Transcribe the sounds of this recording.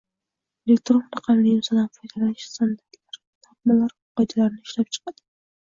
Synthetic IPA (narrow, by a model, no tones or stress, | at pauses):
elek̚t̪ɾonɾɑqʰɑmlɪɪmsɒd̪anfʰojd̪alanɪt͡ʃsand̪aɾt̪laɾ | t̪ʰap̚malaɾ | qɑjd̪alaɾnɪɪʃlap̚t͡ʃʰɨ̥qɑd̪ɪ